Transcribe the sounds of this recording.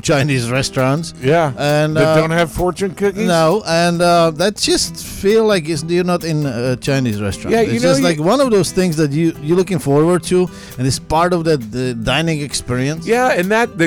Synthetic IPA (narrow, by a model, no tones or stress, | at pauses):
t͡ʃʰãɪ̃nizɹɛstɹ̥ɑ̃ntsjæɨ̃neʌdõʊ̃nt̚hɨv̥fɔɹt͡ʃɨ̃nkʰʊkinoʊʔə̃nʌðɨt̚d̥ʒ̥ʌst | filˠlaɪkɪsjə˞nəɾɪ̃nət͡ʃʰãɪ̃nizɹɛ̰stɹ̥̰jæ̃jɪɨd͡ʒʌslaɪkwʌ̃nʌvðoʊz̥θɪ̃ŋzðɨt͡ʃɨjə˞lʊkɪ̃ŋfɔɹwə˞d̚tʰu | ɨ̃nɨtspɑɹɾʌvðɨdãɪ̃nɪ̃ŋɨkspɪɹiɨ̃nsjæɨ̃nðɨt̚ðɨ